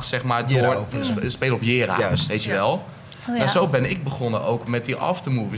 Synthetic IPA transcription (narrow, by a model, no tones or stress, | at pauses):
sɛχmaːɹd | speːlɔpjɪːɾa̰sʋejtəʋɛlˠ | nazowbɛnɪk̚bəχɔnəowkmɛt̚diʔɑ̰ftəmuvə